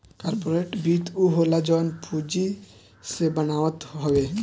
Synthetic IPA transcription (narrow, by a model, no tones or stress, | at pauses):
kaɾpoɾeʈbit̪uɦolad͡ʑɔnpʰud͡ʑi | sebanaot̪ɦɔbe